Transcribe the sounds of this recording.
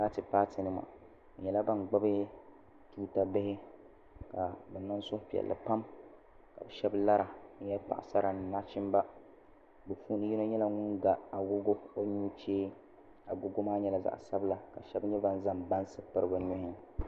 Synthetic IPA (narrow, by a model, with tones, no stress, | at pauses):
kaː˦tɨ˨paː˦tɪ˨nɨ˦ma̰˨ | ɲɛ˨la˦ba˦nɡ͡ba˦bɪ˦ | tuː˦ta˦bɪ˦hɪ˦ | ka˨bɛ˨na˦n˦sʊ˦pi˨ɛ̰˨lːɨ̰˨pa˦m | ka̰˨bɛ˨ʃɛ˦bla˦ɾa˨ɲɛ˦lpa̰˨ʔsa˦ɾa˨n˨na˦t͡ʃɪ˦m˦ba˦ | bɛ˨fu˦nɨ˦ji˦no˦ɲɛ˦la˦ŋʊ˦nɡa˨a˨ɡo˦ɡo˦o˦ɲu˦t͡ʃeː˦ | a˨ɡo˦ɡo˦maː˦ɲɛ˦la˨za̰˨ʔsa˦bla˨ka˨ʃɛ˦bɲɛ˦ba˦n˦za˦mba˦nsɨ˦pɨ˦ɾɨ˦bɨ˨˦nʊ˦hɪ˦